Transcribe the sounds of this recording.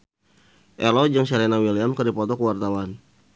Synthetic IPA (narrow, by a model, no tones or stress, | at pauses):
ʔɛlɔd͡ʒəŋsɛɾɛnawiliamkərdipɔt̪ɔkəwart̪awan